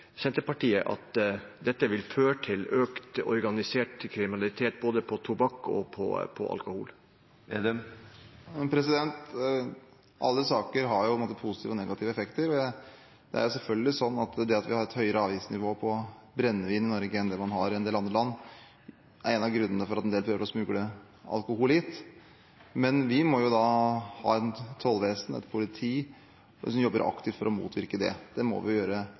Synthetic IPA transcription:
sɛnt̪əpɑʈʰiːəʔɑ̰t̪d̪ɛt̪ːəʋɪlføːʈʰɪløːkt̪ɔ̰ɾɡɑnɪseːʈkʰɾɪmɪnɑlɪt̪ʰeːt̪̚boːd̪əpʰɔt̪ʰubɑkːɔ̰pʰɔ̰pʰɔ̰ʔɑ̰lkʊhṵːl | pʰɾɛsɪd̪ɛnt̪ | ʔɑ̰lːəsɑːkəɾɦɑɾjʊpʰɔɛnmːt̪əpʰusɪt̪ʰiːʋɔnɛɡɑt̪ʰiːʋəɛfɛkt̪əɾɔɛ | d̪̥ɛ̰æ̰ɾjʊsɛlfœlɡəlɪsɔnːɑt̪d̪ɛɑt̪ʋɪhɑɾɛt̪hœʏəɾəɑːʋiːsnɪʋoːpʰɔbɾɛnːəʋiːnɪnɔɾɡəɛnd̪ɛmɑnɦɑɾɪɛnd̪eːlɑnd̪əlɑnː | ʔæɾɛnɑɡɾʉnːənəfɔɾɑt̪ɛnd̪eːlpʰɾøːʋəɾɔsmʉːɡlə | ɑ̰lkʊhuːlɪt̪ | mɛnʋɪmɔjʊd̪ɑhɑ̰ːɛnt̪ʰɔlʋeːsnɛ̰t̪pʰʊlɪt̪ʰiː | sɔmjɔbːəɾʔɑ̰kt̪ɪft̪fɔɾʔɔmṵːt̪ʰʋɪɾkəd̪ɛ̰d̪̥ɛmɔ̰ʋɪ̰jøːɾə

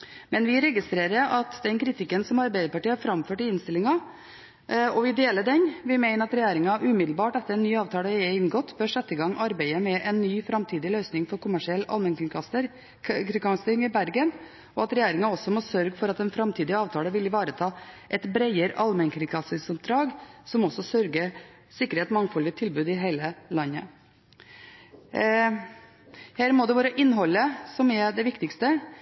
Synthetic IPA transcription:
mɛnʋɪɾɛɡɪst̪ɾeːɾəɾɑt̪d̪ɛnkʰɾɪt̪ʰɪkːənsɔmɑɾbæɪd̪əɾpɑʈiːhɑːɾfɾɑmføːʈɪɪnst̪ɪlːɪŋɑ | ɔʋɪd̪eːləɖɛnʋɪmæɪnəɾɑt̪ɾɛjæːɾɪŋɑʔʉmɪd̪l̩bɑːʈɛt̪ːəɾɛnnːyːɑːʋt̪ʰɑːləɛɪnɡɔt̪ːbøːʂɛt̪ːəɡɑŋːʔɑɾbæɪəmɛʔɛnːyːfɾɑmt̪ʰiːd̪ɪlœʏsnɪŋfɔɾkʰʊmæʂɪɛlːɑ̰lmɛn | kɾɪkɑŋst̪ɪŋɪbæɾɡən | ɔɑt̪ɾɛjeːɾɪŋɑɔsɔmɔsœɾɡəfɔɾɑt̪ɛnfɾɑmt̪ʰiːd̪ɪɑːʋt̪ʰɑːləʋɪlɪʋɑːɾət̪ʰɑːʔɛt̪bɾæɪəɾʔɑlmɛnkʰɾɪkʰɑsɪŋsʊp̚d̪ɾɑːɡsɔmɔsɔsœɾɡə | sɪkːəɾheːt̪mɑŋːfɔlɪt̪ʰɪlbʉːd̪ɪɦæɪləlɑnːə | hæːɾmɔd̪ɛʋɑːɾəʔɪnːɦɔlːəsɔmɛd̪ɛʋɪkt̪ɪkst̪ə

